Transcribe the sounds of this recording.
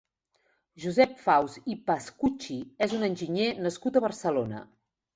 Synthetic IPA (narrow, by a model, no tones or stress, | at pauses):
ʒuzɛpfawzipaskut͡ʃiezunənʲʒiɲenəskut̪əβərsəlonə̰